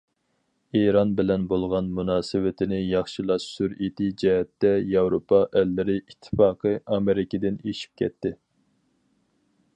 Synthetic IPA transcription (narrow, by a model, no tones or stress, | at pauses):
eɾɑnbɪlɛnbolˠʁɑnmunɑːsɪwɪt̪ʰɪnɪjɑχʃilˠɑsyɾet̪ɪd͡ʒɛɦɛt̪ːɛjɑwɾopʰɑʔɛlːɪɾɪʔit̪ʰːɪ̥fɑːqʰəʔɑmeɾɪkʲɪd̪ɪneʃi̥p̚kʲʰɛ̰t̪ːɪ